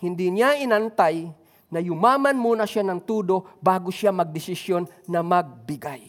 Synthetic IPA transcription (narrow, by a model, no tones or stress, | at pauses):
hɪnd̪ɪɲaɪnant̪aj | nɐjʊmaːmanmuːnaʃjanɐŋt̪uːd̪obaːɡʊʃamɐɡ̚d̪ɪsɪsjonːɐmaɡ̚bɪɡaj